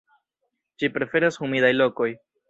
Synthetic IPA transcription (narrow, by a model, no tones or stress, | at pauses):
ʃipɾe̞fe̞ɾashumidajlo̞ko̞j